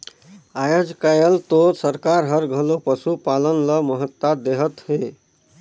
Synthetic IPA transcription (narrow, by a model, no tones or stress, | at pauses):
ajod͡ʒkajəlt̪osəɾkaɾɦəɾɡʱəlopəsupalənləməɦət̪ːad̪eɦət̪ɦe